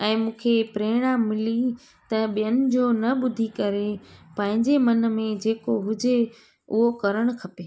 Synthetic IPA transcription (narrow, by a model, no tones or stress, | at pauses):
ɛ̃ːmũːkʰepɾeːɽ̃ãːmːɪli | t̪ɐɓijənɪ̆d͡ʑoːnɐɓʊd̪ʱikɐɾepɐ̃ɦɪ̃ɲd͡ʑemɐn̆mẽd͡ʑeːkoɦʊd͡ʑe | ʊɦokɐɾəɽ̃kʰɐpeː